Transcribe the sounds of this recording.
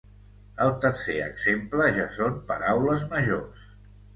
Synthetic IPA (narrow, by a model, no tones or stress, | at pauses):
əlˠt̪əɾseə̰ɡzempləʒasompəɾawləzməʒos